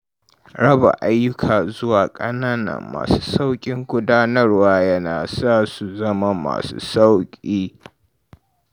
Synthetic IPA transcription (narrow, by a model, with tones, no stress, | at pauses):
ɽɐ˦ba̰˨ʔa˦jːʊ˦kʰaː˨zʊ˦waː˨kʼɐ˦naː˦nɐ̰˨mːa̰ː˨su̥ː˦sa˦wkʲʼɪ˦ŋɡʷʊ˦daː˦nɐ˦rwaː˦jɐ˦naː˨saː˦su˨zɐ˦ma˦ma̰ː˨sṵː˦sa˦wkʲʼiː˦